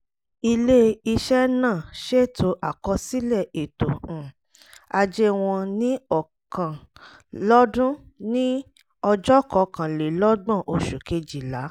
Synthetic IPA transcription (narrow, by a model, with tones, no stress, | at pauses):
i˧le˦i˧ʃɛ˦nãː˦˨ʃe˦˨tʰo˧ʔa˨kɔ˧si˦lɛ˦˨e˨tõ˨ | a˧d͡ʒe˦w̃ɔ̃˧nĩ˦ɔ˨ | kã˨ | lɔ˦dũ˦nĩ˦ | ɔ˧d͡ʒɔ˦kɔ˧˦kã˨le˨lɔ˦ɡ͡bɔ̃˦˨ʔo˧ʃu˨ke˧d͡ʒi˨la˨˦